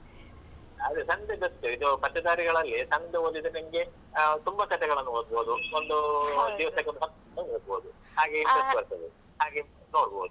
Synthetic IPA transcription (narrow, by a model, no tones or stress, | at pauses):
ɐd̪esɐnd̪eɡɐt̪ːuid̪upɐt̪ːɐd̪aːɾiɡɐɭɐlːisɐnd̪eolid̪ɐnɐmɐɡe̞ | t̪umbɐkɐt̪ʰɛɡɐɭɐnːuɦod̪̚boːd̪uond̪ud̪iːʋɐsɐkɐd̪ɐsɐn | ɐnːuoːd̪̚boːd̪u | haːɡekɐt̪ːubɐɾsɐd̪e | ɦaːɡe | noːɽbo̰ːd̪u